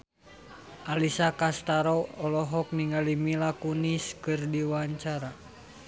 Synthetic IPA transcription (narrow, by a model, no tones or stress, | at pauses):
ʔalisakast̪aɾɔɔlɔɦɔk̚niŋalimilakuniskɨrdiwaɲt͡ʃaɾa